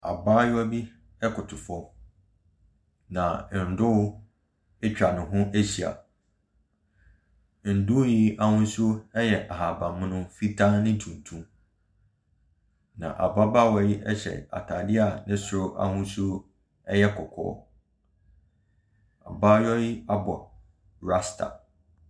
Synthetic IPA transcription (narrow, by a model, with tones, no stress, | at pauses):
a˨baː˦jʊ˦ɔ˦bi˦ | ɛ˦kʰʊ˨tʰʊ˨fɔ˦ | nã˨n̩˨dʊ˦ | e˦t͡ɕᶣa˨nʊ̃˨ɦʊ̃˦ʔe˦ɕi˨a̰˨ | n̩˨dʊ˦ji˦a˨hʊ̃˦su˦o˦ɛ˦jɛ˨ʔa˨ɦa˨bã˨mʊ̃˦nʊ̃˦fi˦tʰã˦nɪ̃˦tʰũ˨n˨tʰũ˦m | nã̰˨ʔa̰˨ba˦ba˦˨wɔ˦ji˦ʔɛ˦ɕɛ̰˨a̰˨tʰaː˨dɪ˦a˨nɪ̃˦sʊ˨ɾʊ˦ʔa̰˦hʊ̃˦su˦o˦ | ɛ˦jɛ˦kʰɔ˨kʰɔ̰ː˦ | a̰˨ba˦jɔ˦ji˦a˦bɔ˨ | ɾa˦stʰa̰˨